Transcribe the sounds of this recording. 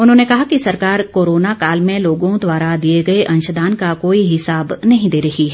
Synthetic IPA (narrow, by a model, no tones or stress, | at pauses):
ʊnɦõːnekɐɦakisɐɾkaːɾkoːɾoːnakaːlmẽloːɡõd̪waːɾad̪ieɡɐeʔɐ̃nʃəd̪aːnkakoːiɦɪsaːbnɐɦĩd̪eːɾɐɦiɦɛː